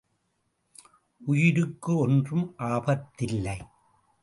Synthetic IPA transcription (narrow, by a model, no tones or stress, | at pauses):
ʊjɪɾɯkːɯɔndrɯmʔaːbɐt̪ːɪlːɐɪ